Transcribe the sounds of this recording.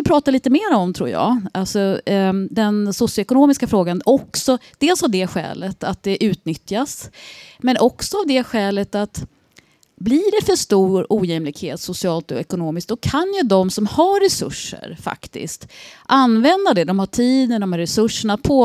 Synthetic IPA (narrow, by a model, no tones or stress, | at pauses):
ɪpʰɾɑːt̪aliːt̪əmeːɾaɔmt̪ʰɾṵːɾjɑ̰ːʔalsɔd̪ɛnsʊsɪjʊɛkʊnoːmɪskafɾoːɡanɔksɔd̪̥eːlsavd̪ɛɧɛ̰ːlət̪at̪̚d̪ɛʔʉ̟ːt̪nʏt̪jasmɛnʔɔksɔavd̪ɛɧɛːlət̪at̪ | bliɖɛfœʂt̪uːɾuːjɛmlɪkhḛːt̪sʊsɪɑːlt̪ɔ̰ɛkʊnoːmɪsk̚d̪ɔkʰanjɵd̪ɔmsɔmhaɾɛsɵ̰ʂːə̰ɾfa̰kt̪ɪ̰st̪ʔanvɛnd̪ad̪ɛd̪ɔmhaʈʰiːd̪əɖ̪ɔmhaɾɛsɵʂːəɳat̪̚pʰoː